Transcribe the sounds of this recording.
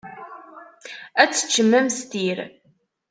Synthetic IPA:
æt͡sːə̥t͡ʃːəmːæmst̪iɾ

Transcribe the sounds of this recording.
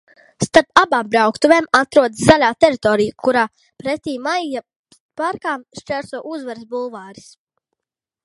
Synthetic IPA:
st̪aɾpabaːmbɾawkt̪uveːmat̪ɾuɔd̪szalʲaːt̪ɛɾit̪ɔːɾijkuɾaː | pɾet̪ʲiːmajja | paɾkaːmʃt͡ʃæɾsuɔʔuzvaɾsbulˠvaːɾi̥s

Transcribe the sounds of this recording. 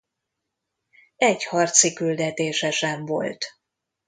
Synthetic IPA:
ɛɟhɒrt̪sikyld̪ɛt̪eːʃɛʃɛɱvo̞̰lt̪

